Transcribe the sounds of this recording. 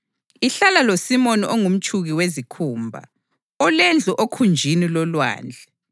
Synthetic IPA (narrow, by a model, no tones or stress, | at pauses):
iɬalalosimɔniʔoŋum̩t͡ʃʼʰuɣiwezikʰuːmbʱa̰ | ɔlɛnd͡ɮʱuʔokʰund͡ʒʱinilɔlwa̰ːnd͡ɮʱɛ